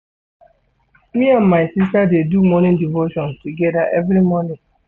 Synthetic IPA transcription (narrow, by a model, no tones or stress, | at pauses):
miãnmaɪsistadedumɔnĩndivoʃɔ̃nstuɡɛdaʔɛvɾimɔnĩ